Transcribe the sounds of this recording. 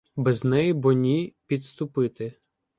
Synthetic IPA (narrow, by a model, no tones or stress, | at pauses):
bɛznɛjibɔnʲipʲid̪st̪ʊpɪt̪ɪ